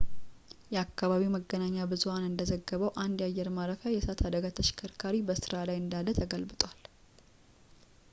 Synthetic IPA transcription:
jɛakʰːaβaβiməɡːənaɲːabɨzuhanɨnd̪əzəɡːəβəwʔand̪jajːɛɾmaɾəfajɛsat̪ʰhad̪əɡat̪ʰəʃɪ̥kʰəɾkʰaɾibəsɨɾalajɨnd̪alːət̪ʰəɡəlbɨt̪ʼwal

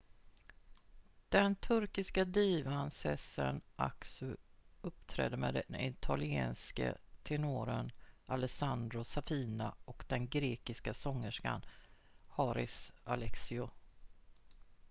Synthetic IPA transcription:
d̪̥ɛnt̪ʰɵɾkɪskad̪iːvansɛsə̰nʔa̰ksʉɵp̚t̪ʰɾɛ̰ːd̪əmɛːd̪ɪt̪ʰalɪeːnskə̰t̪ʰɛnoːɾənalɛsand̪ɾʊsafiːnaɔkd̪̥ɛnɡɾeːkɪskasɔŋːəʂka̰n | hɑɾɪsalɛksɪʊ

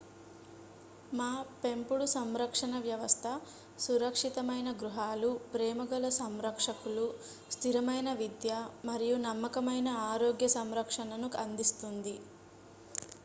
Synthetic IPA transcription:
maːpempuɽusɐmɾɐkʂɐnɐʋjɐʋɐst̪ʰɐ | suɾɐkʂit̪ɐmɐjnɐɡɾuɦaːlupɾɛːmɐɡɐlɐsɐmɾɐkʂɐkulu | st̪ʰiɾɐmɐjnɐʋid̪jɐmɐɾijunɐmːɐkɐmɐjnɐaːɾoːɡjɐsɐmɾɐkʂɐnɐnukɐnd̪ist̪und̪i

